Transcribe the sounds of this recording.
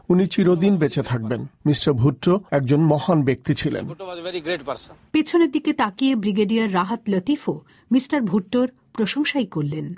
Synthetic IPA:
unit͡ɕiɾod̪inbet͡ɕet̪ʰak̚benmisʈaɾbʱuʈːoɛk̚d͡ʑonmɔhanbek̚t̪it͡ɕʰilḛneppet͡ɕʰoneɾd̪iket̪akijebɾiɡeɖijaɾːaɦat̪lɔt̪ifo | misʈaɾbʱuʈːoɾ | pɾoʃoŋʃajkoɾlːen

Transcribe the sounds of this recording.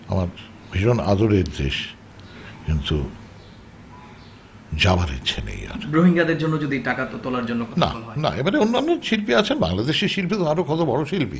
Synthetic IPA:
a̰maɾ | bʱiʃona̰d̪oɾeɾd̪ḛʃ | kint̪u | d͡ʑabaɾḛt͡ɕʰenḛja̰ɾbɾoɦiŋɡad̪eɾd͡ʑonːod͡ʑod̪iʈakat̪ot̪olaɾd͡ʑonːona̰ɔna̰ebaɾeonːanːoʃilpiat͡ɕʰenba̰ŋlad̪eʃeɾʃilpit̪oaɾokʰɔt̪obɔɽoʃilpḭ

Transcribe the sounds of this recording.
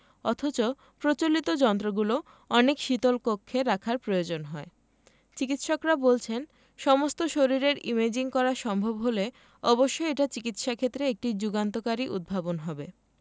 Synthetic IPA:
ɔt̪ʰot͡ɕo | pɾot͡ɕolit̪od͡ʑɔnt̪ɾoɡulo | ɔnekʃit̪olkokʰːeɾakʰaɾpɾojod͡ʑonɦɔe | t͡ɕikit̪ʃɔkɾabolt͡ɕʰen | ʃɔmost̪oʃoɾiɾeɾimed͡ʑiŋkɔɾaʃɔmbʱobɦole | ɔboʃːoeʈat͡ɕikit̪ʃakʰet̪ːɾeek̚ʈid͡ʑuɡant̪okaɾiʔṵd̪̚bʱabonɦɔbe

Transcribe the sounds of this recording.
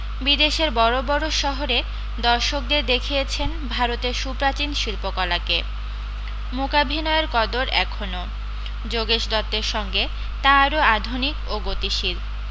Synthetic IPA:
bid̪eʃeɾbɔɾobɔɾoʃɔɦoɾe | d̪ɔɾʃok̚d̪eɾd̪ekʰijet͡ɕʰenbʱaɾot̪eɾʃupɾat͡ɕinʃilpokɔlake | mokabʱinɔeɾkɔd̪oɾɛkʰono | d͡ʑoɡeʃd̪ɔt̪ːeɾʃɔŋɡe | t̪aɾoad̪ʱunikoɡot̪iʃil

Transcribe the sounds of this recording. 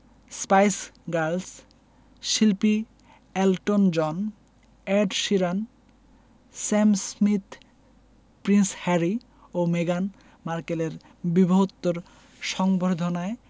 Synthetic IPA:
spajsɡaɾls | ʃilpi | ɛlʈond͡ʑɔn | eɖʃiɾan | sɛmsmit̪ | pɾinshɛɾi | omeɡan | maɾkeleɾ | biboɦot̪ːoɾ | ʃɔŋboɾd̪ʱonae

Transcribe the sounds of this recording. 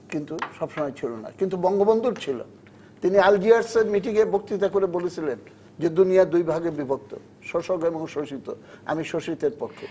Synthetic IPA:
kint̪uʃɔbʃɔmɔet͡ɕʰilona̰kint̪ubɔŋɡobond̪ʱuɾt͡ɕʰilo̰ | t̪iniald͡ʑiaɾseɾmiʈiŋebok̚t̪it̪̬akoɾebolet͡ɕʰilen | d͡ʑed̪uniad̪ujbʱaɡeɾbibʱok̚t̪o̰ | ʃoʃoɡoeboŋʃoʃit̪o̰a̰miʃoʃit̪eɾpokʰːe

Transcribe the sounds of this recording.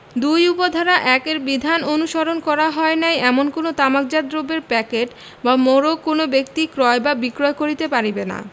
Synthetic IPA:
d̪ujupod̪ʱaɾaʔɛkeɾbid̪ʱanonuʃaɾonkɔɾaɦɔenajɛmonkonot̪amak̚d͡ʑad̪ɾobeɾpɛkeʈ | bamoɾokonobek̚t̪ikɾɔebabikɾoekoɾit̪epaɾibena̰

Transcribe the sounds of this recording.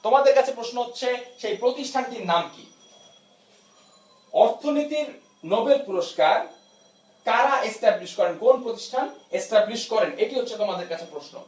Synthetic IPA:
t̪omad̪eɾkat͡ɕʰepɾoʃnoɦotːɕʰeʃejpɾot̪iʃʈʰanʈiɾnamkḭ | ɔɾt̪ʰonit̪iɾ | nobelpuɾoʃkaɾ | kaɾaʔesʈabliʃkɔɾenkonpɾot̪i̥ʃʈʰanesʈabliʃkɔɾeneʈiɦotːɕʰet̪omad̪eɾkat͡ɕʰepɾoʃno̰

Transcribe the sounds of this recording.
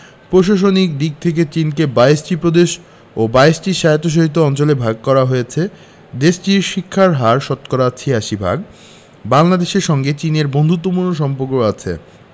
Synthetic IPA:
pɾoʃ̬aʃ̬onik̚d̪ik̚t̪ʰek̬et͡ɕinkebaesʈipɾod̪eʃ | obaesʈiʃajt̪ːoʃ̬oɦit̪̬ːoɔnt͡ɕolebʱaɡ̚kɔɾaɦojet͡ɕʰe | d̪eʃt͡ɕiɾʃikʰːaɾɦaɾʃɔt̪koɾat͡ɕʰiaʃibʱa̰ɡ | baŋlad̪eʃeɾʃɔŋɡet͡ɕineɾbond̪ʱut̪ːopuɾnoʃɔmpoɾkoat͡ɕʰḛ

